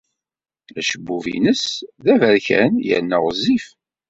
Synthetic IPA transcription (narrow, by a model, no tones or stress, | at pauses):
læʃəbːuvḭnəsðævəɾçæ̰njə̰nːəʁzːif